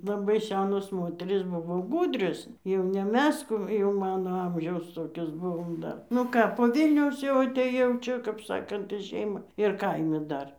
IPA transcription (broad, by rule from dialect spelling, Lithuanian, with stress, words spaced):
lˠɐˈbɐɪ ˈsʲæːnoːs ˈmoːtʲɛrʲiːs ˈbʊʋoː ˈɡuːdʲrʲoːs jɛʊ nʲɛ ˈmʲɛs ˈkuː jɛʊ ˈmɑːnoː ˈɐmʲʒʲɛʊs ˈtoːkʲoːs ˈbʊʋoːm ˈdɐr nʊ ˈkɑː poː ˈʋʲɪlʲnʲɛʊs jɛʊ ɐtʲeːˈjɛʊ ˈt͡ʃʲɛ kɐp ˈsɑːkɐnt iː ˈʃʲɛɪmɑː ɪr ˈkɐɪmʲɛ ˈdɐr